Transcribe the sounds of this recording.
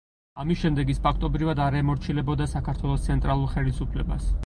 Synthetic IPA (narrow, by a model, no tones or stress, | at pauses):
amisʃɛmd̪ɛɡispʰakʰt̪ʼɔbɾivad̪aɾɛmɔɾt͡ʃʰilɛbɔd̪asakʰaɾt̪ʰwɛlˠɔst̪sʰɛnt̪ʼɾalˠuɾχɛlisupʰlɛ̰ba̰s